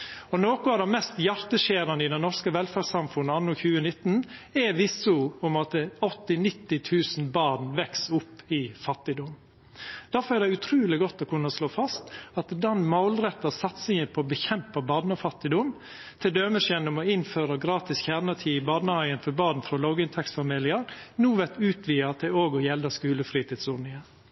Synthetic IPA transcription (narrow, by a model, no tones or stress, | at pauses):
ɔnoːkʊɑd̪ɛmɛst̪jɑɾt̪əʂeːɾɑnəɪd̪ɛnnɔʂkəʋɛlfæsɑmfʉnːəɑnːɔçʉːənɪt̪ːn̩ɛʋɪsʊʊmɑt̪ɔt̪ːɪnɪt̪ːɪt̪ʰʉːsn̩bɑːnʋɛksʊpːɪfɑt̪ːɪd̪ɔm | d̪̥æɾfɔɾæɾd̪ɛɪʉt̪ʰɾʉːlɪɡɔt̪ːɔkʰʉnːəɔsloːfɑst̪ɑt̪d̪ɛnmɑʊlɾɛt̪ːəsɑt̪sɪŋənpʰɔːbəçɛmpɑbɑɳəfɑt̪ːɪd̪ɔm | t̪ʰɪld̪øːməʃɛnɔmɔɪnføːɾəɡɾɑːt̪ɪsçæːɾnət̪ʰiːɪbɑnəɑɪənfɔbɑːn̩fɾɔlɑːɡɪnt̪ʰɛksfɑmiːlɪəɾnuːʋɛt̪ʉːt̪ʰʋiːəɑt̪d̪ɛoːɡɔjɛld̪əskʉːləfɾiːt̪ɪːd̪sʊɾnɪŋən